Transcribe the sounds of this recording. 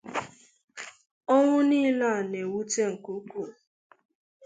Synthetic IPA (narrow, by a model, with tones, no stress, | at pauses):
ɔ˦ŋʷʊ˦ni˦la˦˨ne˨wu˦te˦ŋ̩˨ku˦ku˦˨